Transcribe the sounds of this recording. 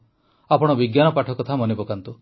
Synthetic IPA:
apɔɽ̃ɔbiɡjanɔpaʈʰɔkɔt̪ʰamɔnibɔkant̪u

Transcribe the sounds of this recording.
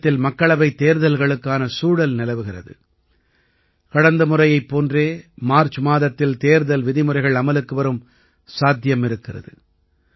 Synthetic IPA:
t̪ːɪlmɐkːɐɭɐʋɐɪt̪eːɾðɐlɣɐɭɯkːaːnɐsuːɽɐlnɪlɐʋɯɣɪrɐ̰ðɯ̰ | kɐɽɐnd̪ɐmɯrɐjɐɪpːoːndreːmaːɾt͡ʃmaːðɐt̪ːɪlt̪eːɾðɐlʋɪðɪmɯrɐɪɣɐɭɐmɐlɯkːɯʋɐɾɯm | saːd̪ʱjɐmɪɾɯkːɪrɐ̰ðɯ̰

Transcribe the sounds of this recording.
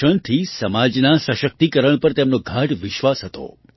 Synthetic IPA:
əɳ̃t̪ʰisəmad͡ʒnasəʃək̚t̪ikəɾəɳ̃pəɾt̪emnoɡʱaʈʋɪʃʋasɦət̪o̰

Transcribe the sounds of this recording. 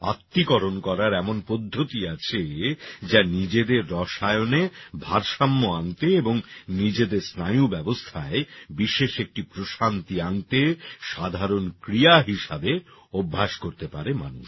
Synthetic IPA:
a̰t̪ːikɔɾonkɔɾaɾɛmonpod̪ʱːot̪iat͡ɕʰed͡ʑanid͡ʑed̪eɾːɔʃaeonebʱaɾʃamːoant̪eeboŋnid͡ʑed̪eɾsnajubɛbost̪ʰaebiʃeʃek̚ʈipɾoʃant̪iant̪eʃad̪ʱaɾonkɾiaɦiʃabeobʱːaʃkoɾt̪epa̰ɾema̰nuʃ

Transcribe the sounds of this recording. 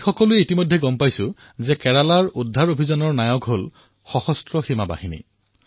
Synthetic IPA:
xɔkɔlʊɛitimojdʱːɛɡɔmpajsʊ̃ | zɛkɛɹalaɹudʱːaɹobʱizɔnɔɹnajɔkɦol | xɔxɔstɹɔximaba̰hinḭ

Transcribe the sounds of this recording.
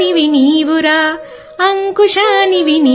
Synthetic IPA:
iʋiniʋuɾaː | ɐŋkuʃaniʋini

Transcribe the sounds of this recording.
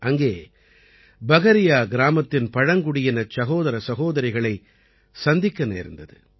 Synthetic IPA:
ʔɐŋɡeː | bɐɣɐɾɪjaːɡɪɾaːmɐt̪ːɪnpɐɻɐŋɡʊɽɪjɐnɐsɐɣoːðɐɾɐsɐɣoːðɐɾɐɪɣɐɭɐɪ | sɐnd̪ɪkːɐnḛːɾɯnd̪ɐðɯ̰

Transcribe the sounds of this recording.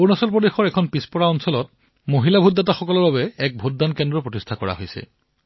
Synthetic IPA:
uɹnasɔlpɹodexɔɹɛkʰɔnpispɔɹaɔnsɔlɔt̚ | moɦilabʱudːataxɔkɔlɔɹbaβɛɛk̚bʱutdankɛndɹɔpɹotistʰakɔɹa̰ɦojsɛ̰

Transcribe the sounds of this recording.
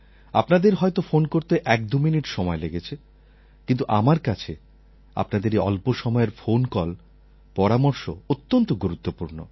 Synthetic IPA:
apnad̪eɾɦɔet̪ofonkoɾt̪eʔɛk̚d̪uminiʈʃɔmɔeleɡet͡ɕʰe | kint̪uʔamaɾkat͡ɕʰe | a̰pnad̪eɾeɔ̰lpoʃɔmɔeɾfonkɔl | pɔɾamoɾʃo̰ot̪ːont̪oɡuɾut̪ːopuɾno̰

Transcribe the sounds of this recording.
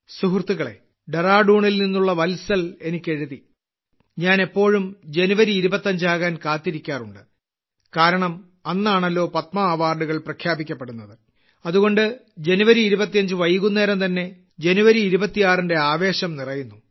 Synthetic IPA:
suɦrt̪ːuɣɐɭe̞̰ | ɖeraːɖuːɳilninːuɭːɐʋɐlsɐlenikʲːe̞ɻuði | ɲaːnepːo̞ːɻumd͡ʑe̞nuʋɐɾiːɾubɐt̪ːɐɲd͡ʑaːɣaːnkaːt̪ːiɾikʲːaːruɳɖɨ | kaːɾɐɳɐm | ɐnːaːɳɐlːo̞ːpɐt̪mɐːʋaːrɖuɣɐɭprɐkʰjaːbikʲːɐpːeɽunːɐðɨ | ɐðuɣo̞ɳɖɨd͡ʑe̞nuʋɐɾiːɾubɐt̪ːijɐɲd͡ʑɨʋɐjiɣunːeːɾɐmt̪ɐnːe̞ | d͡ʑe̞nuʋɐɾiːɾubɐt̪ːijaːrinde̞aːʋe̞ːɕɐmnirɐjunːu

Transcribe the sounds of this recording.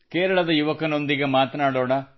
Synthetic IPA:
keːɾɐɭɐd̪ɐjuʋɐkɐno̞nd̪iɡemaːt̪ɐnaːɽoːɽɐ

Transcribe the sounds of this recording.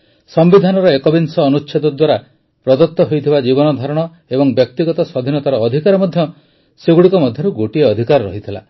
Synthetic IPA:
sɔmbid̪ʱanɔɾɔekɔbinsɔːnut͡ʃːʃʰed̪ɔd̪waɾa | pɾɔd̪ɔt̪ːɔɦojt̪ʰibad͡ʒiβɔnɔd̪ʱaɾɔɽ̃ɔ | ebɔŋbjɔk̚t̪iɡɔt̪ɔsɔd̪ʱinɔt̪aɾɔːd̪ʱikaɾɔmɔd̪ʱjɔ | seɡuɽikɔmɔd̪ʱjɔɾuɡoʈieɔd̪ʱikaɾɾɔ̰ɦit̪ʰila̰

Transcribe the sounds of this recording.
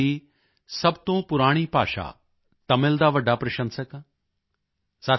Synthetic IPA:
iː | sɐbt̪õːpʊɾaːɽ̃iːpa̰ːʃa̰ː | t̪ɐmɪld̪aːʋəɖːaːpɾɐʃə̃nsəkː | sa

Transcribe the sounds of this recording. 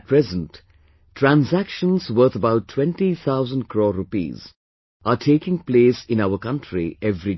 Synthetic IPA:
t̚pʰɾɛzə̃nt | tʰːɾæ̃nzækʃə̃nzwəːt̪əbaʊʈʰːwɛ̃nʈit̪ʰaʊzə̃nd̚kʰɾɔːɾupḭːz | ʔaʈʰeːkɪ̃ŋpleːsɪ̃naʊəkʌ̃nʈʰɾḭɛvɾi

